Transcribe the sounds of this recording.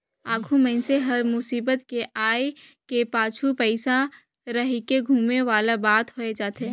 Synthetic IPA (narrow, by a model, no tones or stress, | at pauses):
aːɡʱumɛ̃nseɦɐɾmʊsiːbət̪keʔaːjkepaːt͡ʃʰupəɪsa | ɾəɦikeɡʱuːmeʋaːlabaːt̪ɦoːed͡ʒaːt̪ẽ